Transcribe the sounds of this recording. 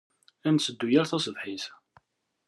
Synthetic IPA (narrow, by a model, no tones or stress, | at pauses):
ænsəd̪ːujæɾθæsəðˤħis